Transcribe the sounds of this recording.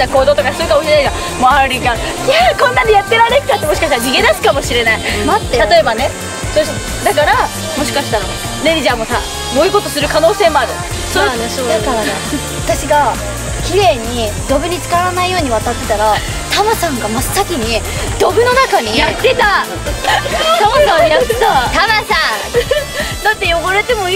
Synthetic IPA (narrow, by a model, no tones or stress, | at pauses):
t̪ako̞ːd̪ot̪o̞kasɨɾɯ̟kamoɕiɾenaiɡa | moaɾʲiɡa | akõ̞nːãɲ̟ijat̪ːe̞ɾanekɯ̥k̪at̪ːemo̞ɕi̥kaɕit̪aɾad͡ʑiɡe̞nasɨ̥kamo̞ɕiɾe̞naimat̪ːet̪at̪o̞e̞bane̞ | soɕ | d̪akaɾa | mo̞ɕ̬i̥kaɕi̥t̪aɾa | ɾeɾʲiʑamo̞sa | mo̞iko̞t̪o̞sɨɾɯ̟kano̞ːse̞ːmoaɾɯ̟ | soanesoːaɾa | at̪aɕiɡa | kʲiɾe̞ːɲ̟i | d̪o̞bɯ̟ɲ̟it͡sɨ̥kaβɾanaijo̞ːɲ̟iβ̞at̪at̪ːe̞t̪aɾa | t̪amasãŋɡamasɨ̥sakʲiɲ̟i | d̪̥o̞bɯ̟no̞nakaɲ̟ijat̪ːe̞t̪a | t̪amasãɲij̪at̪ːet̪at̪amasã | d̪at̪ːe̞jo̞ɡaɾe̞t̪e̞mo̞